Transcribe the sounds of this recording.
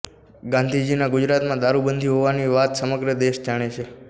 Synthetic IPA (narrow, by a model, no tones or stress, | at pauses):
ɡãnd̪ʱid͡ʒinãɡud͡ʒɾat̪mãd̪aɾubənd̪ʱiɦoʋaniʋat̪səməɡɾəd̪eʃd͡ʒaɽ̃et͡ʃʰe